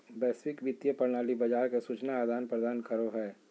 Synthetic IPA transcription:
bɛːswɪkʋɪt̪jəpɐɾnaːlibɐd͡ʒaːɾkesuːt͡ʃnaːd̪ʱaːnpɾəd̪aːnkəɾoɦɛː

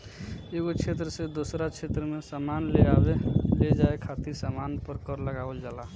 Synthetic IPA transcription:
eɡot͡ʃʰet̪ɾəsed̪osɾat͡ʃʰet̪ɾəmesamanleabeled͡ʒaekʰat̪iɾsamanpəɾkəɾləɡabəld͡ʒala

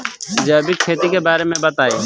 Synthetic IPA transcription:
d͡ʒəːbikʰːeːt̪ikebaːɾemẽbət̪aːeː

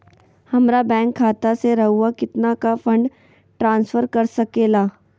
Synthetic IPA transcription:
hɐmɾabɛ̃ːŋkʰːaːt̪aseɾɐɦuakɪt̪nakafɐ̃ɳɖ | ʈɾãːnsfəɾkɐɾsɐkeːlaː

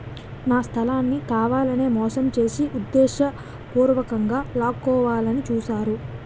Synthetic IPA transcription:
naːst̪ʰɐlaːnːikaːʋaːlɐne̞ːmɔːsɐmt͡ʃe̞ːsiʔud̪ːɛːʃɐ | puːɾʋɐkɐŋɡaːlaːkɔːʋaːlɐnit͡ʃuːsaːɾu

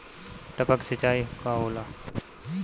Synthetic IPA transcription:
ʈəpəksət͡ʃaːikaɦoːlaː

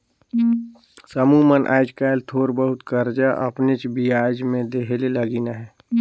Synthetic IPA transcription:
səmumənʔa̰ːɪd͡ʒkaːɪlt̪ʰoːɾbəɦʊt̪kəɾd͡ʒaʔɐ̰pnet͡ʃbiaːd͡ʒmẽd̪eɦeleləɡiːnaɦɛː

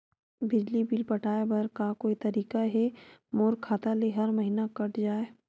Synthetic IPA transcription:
bɪd͡ʒlibilpɐʈaːebɐɾkakoːit̪ɐɾiːkaɦɛmoːɾkʰːaːt̪aleɦɐɾmɐɦinakɐʈd͡ʒaːe

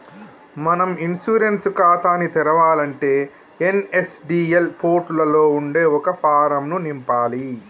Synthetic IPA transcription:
mɐnɐminsuːɾenskaːt̪aːnit̪ɛɾɐʋaːlɐɳʈe̞ː | enesɖiːelpʰoːɾʈulɐlo̞ːuɳɖeːɔkɐpʰaːɾɐmnunimpaːli

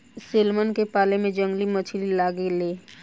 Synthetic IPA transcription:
selmənkepaːlemẽd͡ʒə̃ŋɡlimət͡ʃʰlilaːɡeleː

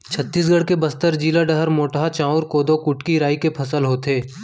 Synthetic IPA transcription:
t͡ʃʰət̪ːiːs̬ɡəɽkebɐst̪əɾd͡ʒiːlaɖəɦəɾmoːʈɦat͡ʃãːʊɾkoːd̪okʊʈkiɾaːikepʰɐsəlɦoːt̪eː

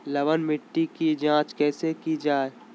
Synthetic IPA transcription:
lɐʋənmɪʈːikid͡ʒãːt͡ʃkɛːsekid͡ʒaːe

